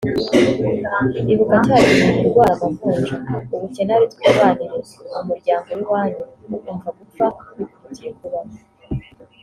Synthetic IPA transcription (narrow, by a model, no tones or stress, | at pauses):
iβukacaːɾinimuɾɡwaːɾamavuːnʒauβucenaɾit̪weβaniɾeumuɾɟaːŋɡo̞wiwaːɲuumvaɡufaβikuucikuɾana